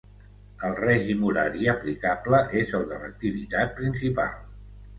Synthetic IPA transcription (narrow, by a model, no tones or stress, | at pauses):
əlˠrɛʒimuɾaɾiəplikapləʔezəlˠd̪ələk̚t̪iβit̪at̪̚pɾinsipa̰lˠ